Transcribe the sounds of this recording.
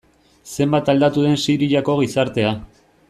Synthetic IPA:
se̞mbat̪ald̪at̪uð̞e̞nsiɾiʎako̞ɣisaɾt̪e̞a

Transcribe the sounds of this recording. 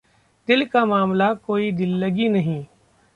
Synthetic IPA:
d̪ɪlkamaːmlakoːid̪ɪlːɐɡinɐɦĩː

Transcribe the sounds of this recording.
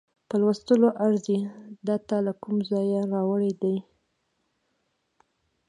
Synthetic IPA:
pəlwəst̪əloʔaɾzid̪at̪alakumzɑjaɾɑwəɽed̪aj

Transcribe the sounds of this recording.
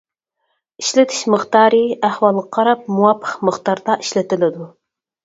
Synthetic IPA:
iʃlɪt̪ʰɪ̥ʃməχt̪ɑːɾɨæhwɑlˠʁɑqʰɑɾɑp̚muwɑpʰːə̥qməχt̪ɑɾd̪ɑʔiʃlɪt̪ɪlɪd̪u

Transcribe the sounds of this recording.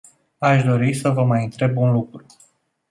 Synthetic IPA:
aʃd̪o̞ɾisəvəmajɨnt̪ɾe̞bunlukɾu

